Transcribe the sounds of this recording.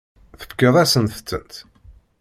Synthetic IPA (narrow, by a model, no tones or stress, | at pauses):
θə̥fkːəðˤæsənθə̥t͡sːə̰nt̪